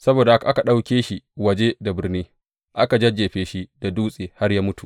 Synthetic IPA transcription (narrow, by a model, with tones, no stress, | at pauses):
sɐ˦boː˨da˨ha˦ka˨ʔa˦ka˨ɗa˦wkʲeː˦ʃi˦wɐ˨d͡ʒe˦da˨bɪ˨rniː˦ | ʔa˦ka˨d͡ʒɐ˦d͡ʒeː˨ɸeː˦ʃi˦da˨duː˦sʼeː˨ha˦rja˦mʊ˦tu˨ʔ